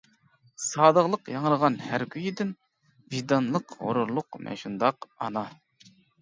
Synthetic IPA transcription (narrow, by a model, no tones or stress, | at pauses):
sɑːd̪əʁlˠəqjɑŋəɾəʁɑnhæɾkʲʰyjid̪ɪn | vid̪ɑnlˠəqho̰ɾuɾlˠʊqmɛ̰ʃund̪ɑqɑ̰nɑ